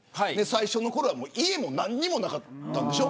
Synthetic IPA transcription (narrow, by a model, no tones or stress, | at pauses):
haine̞saiɕo̞no̞ko̞ɾo̞βamoːʔie̞mo̞nãɲ̟ːimo̞nakat̪ːãnd̪eɕo̞